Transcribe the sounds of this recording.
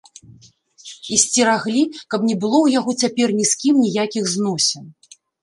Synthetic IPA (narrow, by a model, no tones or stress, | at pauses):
isʲt͡sʲiɾaɣlʲikɐpnʲɛbɨlˠɔwjaɣɔt͡sʲapʲɛrnʲiskʲimnʲijakʲiɣznɔsʲɛn